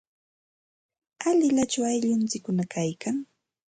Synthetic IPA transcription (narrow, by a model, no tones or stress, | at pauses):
aʎɪʎat͡ʃawajʎʊnt͡sɪkːʊnakajkaŋ